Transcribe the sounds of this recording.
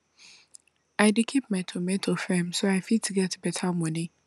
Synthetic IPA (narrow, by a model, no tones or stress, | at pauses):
aɪdikʰip̚mãtʰomɛ̃tʰofɛ̃msoaɪfitʰiɡɛtʰbɛtʰamɔ̃nɪ̃